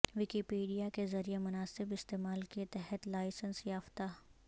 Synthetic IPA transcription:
ʋɪkipiːɖijakezɐɾijemʊnaːsɪbɪst̪eːmaːlket̪ɛɦɛt̪laːɪsənsjaːft̪a

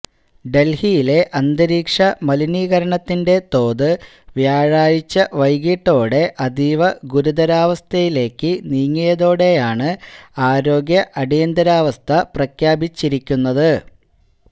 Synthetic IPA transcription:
ɖe̞lhijile̞ʔɐnd̪ɐɾiːkʂɐmɐliniːɣɐɾɐɳɐt̪ːinde̞t̪o̞ːd̪ɨ | ʋjaːɻaːjit͡ɕːɐʋɐjɣiːʈːo̞ːɽe̞ʔɐd̪iːʋɐɡuɾud̪ɐɾaːʋɐst̪ʰɐjile̞ːkːɨniːŋːijɐðo̞ːɽe̞jaːɳɨaːɾo̞ːɡjɐʔɐɽijɐnd̪ɐɾaːʋɐst̪ʰɐprɐkʰjaːbit͡ɕːiɾikʲːunːɐðɨ

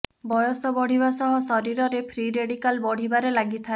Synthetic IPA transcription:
bɔjɔsɔbɔɽ̤ibasɔɦɔ̃sɔɾiɾɔɾepʰɾiɾeɽikalbɔɽ̤ibaɾelaɡit̪ʰae

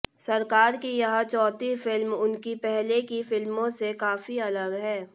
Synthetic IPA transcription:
sɐɾkaːɾkijɐɦãt͡ʃɔːt̪ifɪlmʊnkipɛɦlekifɪlmõsekaːfiɐləɡɦɛː

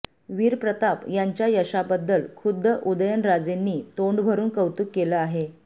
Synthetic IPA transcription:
ʋiːɾpɾət̪apjaɲt͡ɕjajəɕabəd̪ːəlkʰud̪ʱːəʔud̪əjənɾad͡zenːiːt̪oɳɖbʱəɾuːnkəwt̪ukːeləaɦe

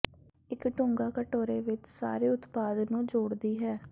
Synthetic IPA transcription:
ɪkʈʊŋɡaːkəʈoːɾeːʋɪt͡ʃsa̰ːɾeːʊt̪paːd̪nũːd͡ʒoːɽd̪iːɦɛː

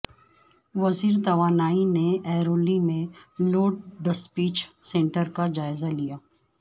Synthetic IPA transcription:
ʋɐziːɾt̪ɐʋaːnaːineʔɛːɾoːlimẽloːʈ̚d̪ɐspiːt͡ʃsẽːɳʈəɾkad͡ʒaːɪzalijaː

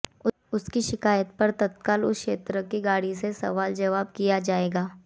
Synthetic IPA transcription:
ʊskiʃɪkaːjət̪pɐɾt̪ɐt̪kaːlʊ̰skʃḛːt̪ɾəkiɡaːɽisesɐ̰ʋaːld͡ʒɐʋaːb̚kijad͡ʒaːeːɡaː

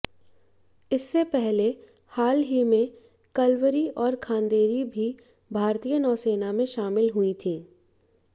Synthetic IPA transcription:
ɪsːepɛɦle | haːlɦimẽ | kɐlwəɾiʔɔːɾkʰãːnd̪eːɾibʱi | bʱaːɾt̪ijənɔːseːnamẽʃaːmɪlɦʊit̪ʰĩː

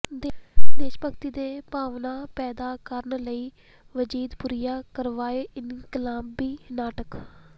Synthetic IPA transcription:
d̪d̪eːʃpəkt̪iːd̪eːpaːʋnaːpɛːd̪aːkəɾəɳləiː | ʋəd͡ʒiːd̪pʊɾijaːkəɾʋaːeɪnkɪlaːbːiːnaːʈək

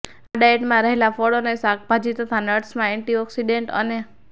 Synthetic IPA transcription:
aɖaeʈmãɾəɦelafoɽonesak̚bʱad͡ʒit̪ət̪ʰanəʈsmãeɳʈiɔksiɖeɳʈə̰ne

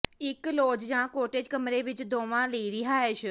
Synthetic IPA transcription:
ɪkloːd͡ʒd͡ʒãːkoːʈeːd͡ʒkəmɾeʋɪt͡ʃd̪oːʋãliiɾiɦaːeːʃʰ

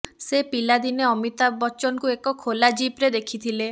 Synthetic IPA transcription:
sepilad̪ineɔmit̪abɔt͡ʃɔnkuekɔkʰolad͡ʒipɾed̪ekʰit̪ʰile

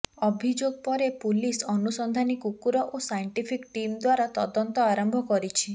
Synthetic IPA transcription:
ɔbʱid͡ʒoɡ̚pɔɾepulisɔnusɔnd̪ʱanikukuɾɔʔosajɳʈipʰikʈimd̪waɾat̪ɔd̪ɔnt̪ɔaɾɔmbʱɔkɔɾit͡ʃʰi

